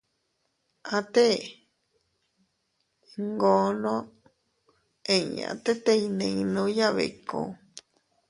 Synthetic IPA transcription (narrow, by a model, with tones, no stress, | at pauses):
ã˧t̪e˦ | ŋɡõ˧˦nõ˦ | ẽ˧˨ɲã̰˨t̪e˦t̪e˧i˧nẽ˧nũ˦ja˦βḛ˨kõ̰˧